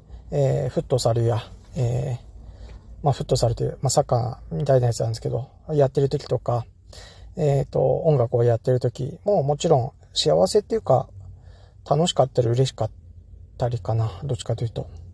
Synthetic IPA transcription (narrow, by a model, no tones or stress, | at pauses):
eːɸɯ̟t̪ːo̞saɾɯjaeː | maɸɯ̟t̪ːo̞saɾet̪eɯ̟masakːã̰mʲit̪ainajat͡sɨnãnske̞d̪o̞ | jat̪ːe̞ɾɯ̟t̪o̞kʲi̥t̪o̞ka | et̪o̞̰õ̞ŋɡakɯ̟ojat̪ːe̞ɾɯ̟t̪o̞kʲḭmo̞ːmo̞t͡ɕiɾõ̞ŋ̃ | ɕiaβase̞t̪ːe̞jɯ̟ka | t̪ʰano̞ɕi̥kat̪ːaɾiɯ̟ɾe̞ɕi̥kat̪ːaɾʲikanad̪o̞t͡ɕːi̥kat̪ːejɯ̟t̪o̞